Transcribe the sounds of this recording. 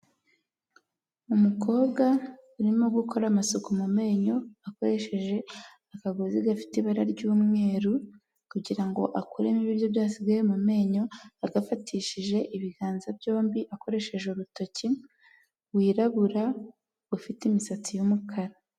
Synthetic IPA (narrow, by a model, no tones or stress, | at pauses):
umuko̞ːbɡauɾimo̞ɡukʰo̞ɾamasokumume̞ːɲo̞ako̞ɾe̞ʃe̞ʒe̞ | akaɡoziɡafi̥tiβaɾaɾɟuːmŋe̞ːɾu | kuɟiɾaŋɡo̞̰ʔakuɾemiβiɾjo̞bjaːsiɡajemume̞ːɲo̞aɡafatʰiːʃiʒe̞ʔiβiɡaːnzabjo̞ːmbiʔako̞ɾe̞ʃe̞ʒeuɾuto̞ci | wiːɾaβuɾa | ɡufitimisat͡sijumukʰaɾa